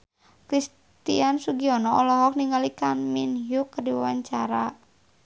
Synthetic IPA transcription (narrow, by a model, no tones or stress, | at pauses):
kɾis | t̪ḭansuɡiɔnɔɔlɔɦɔk̚niŋɡalikanminɦjukːərdiwawaɲt͡ʃaɾa